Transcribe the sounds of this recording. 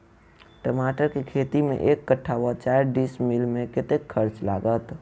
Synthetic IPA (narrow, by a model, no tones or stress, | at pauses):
ʈəmaːʈəɾkikʰeːt̪imḛ̃ʔeːkːəʈʰːawat͡ʃaːɾɖiːsmilmẽkɪt̪ekʰːəɾt͡ʃlaːɡət̪